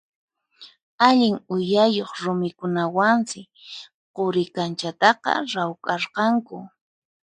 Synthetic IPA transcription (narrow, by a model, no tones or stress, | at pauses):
aʎɪŋʊjajoχɾʊmɪkʊnawansɪ | qoɾɪkant͡ʃat̪ɑqɑ̰ɾawkʼɑɾqɑŋkʊ